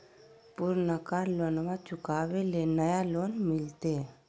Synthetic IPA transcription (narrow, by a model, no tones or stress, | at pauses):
puɾnəkaːɾloːnmãt͡ʃʊkaːʋelenəjaloːnmɪlt̪e